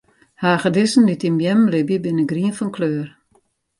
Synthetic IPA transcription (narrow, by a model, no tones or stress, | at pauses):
haːχədɪsən̩ditimbjɛmlɪbjəbɪnəɡriənfɔnkʰløːər